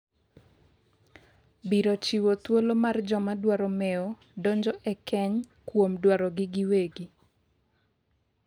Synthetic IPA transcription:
biɾot͡ʃiwot̪wolomard͡ʒɔmadwaɾɔmɛɔ | doɲd͡ʒɔʔɛkɛɲ | kwomdwaɾɔɡɪɡɪweɡi

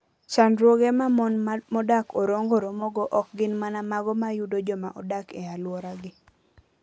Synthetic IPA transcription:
t͡ʃandɾwoɡemamɔnmɔdakɔɾoŋɡoɾomɔɡɔʔɔk̚ɡɪnmanamaɡɔmajudod͡ʒɔma̰ʔɔdakɛalwɔɾaɡɪ

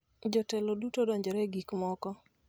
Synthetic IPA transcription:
d͡ʒɔtɛlodutodɔɲd͡ʒɔɾɛɡikmɔkɔ

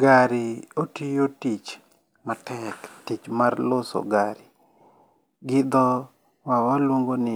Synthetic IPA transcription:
ɡaɾiotijotit͡ʃ | matʰɛktit͡ʃmarloso̰ɡaɾi | ɡɪd̪ɔ | wawalwoŋɡonɪ

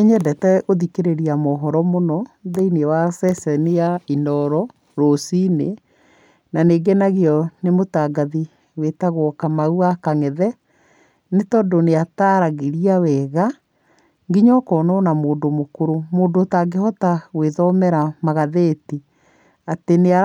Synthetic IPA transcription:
eɲɛdɛtɛʔoðikeɾeɾiamɔɦɔɾɔmonɔðeinewasɛsɛnejainɔɾɔ | ɾosine | naneːɡenaɣiɔnemotaɡaði | wetaɣoɔkamauakaŋɛðɛ | netɔːdoneataːɾaɣeɾiawɛɣa | ŋɡiɲɔkɔːnɔnamoːndomokoɾomoːndotaɡehɔtaweðɔmɛɾamaɣaðeti | atenea

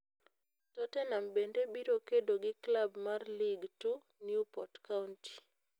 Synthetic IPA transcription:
tɔtɛnambendebiɾokedoɡɪklabmarliɡtu | njupɔtkaunti̥

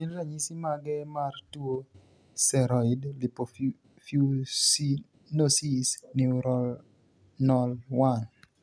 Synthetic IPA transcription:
inɾaɲisimaɡɛmartuo | sɛɾɔɪdlipo | fjusi | nosisnɪuɾɔl | nɔlwan

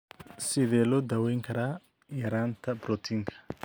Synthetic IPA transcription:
sɪðɛːlɔːd̪ɐwɛjŋkʰɐɾaː | jɐɾaːnt̪ʰɐbɾɔt̪ʰiŋkʰɐ̥

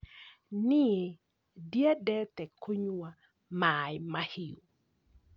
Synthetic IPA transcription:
nɪe | djadɛt̪ɛkʰoɲuwa | majmahiu

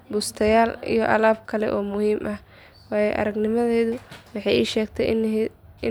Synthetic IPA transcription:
bʊst̪ʰɐjaːlḭjɔʔɐlaːb̚kʰɐlɛ̰ʔɔːmʊhiːmʔɐh | wɑːjɛʔɐ̰ɾɐɡnɪmɐðɛːðʊwɑħɑjḭːʃɛːɡt̪ʰɛ | ɪ

